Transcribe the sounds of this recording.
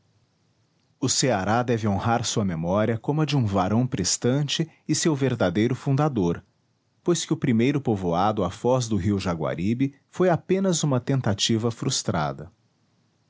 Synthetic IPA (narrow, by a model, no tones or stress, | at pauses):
ʊseaɾad̪ɛvɪõhaɾsuɐmemɔɾiɐkõmʊɐd͡ʒɪũvaɾɐ̃w̃pɾest̪ɐ̃nt͡ʃɪ | ɪsewveɾd̪ad̪ejɾʊfũnd̪ad̪oɾ | pojskɪʊpɾimejɾʊpovoad̪ʊafɔzd̪ʊɦiwʒaɡwa̰ɾibɪ | fojapẽnɐzũmɐt̪ẽnt̪at͡ʃivɐfɾust̪ɾa̰d̪ɐ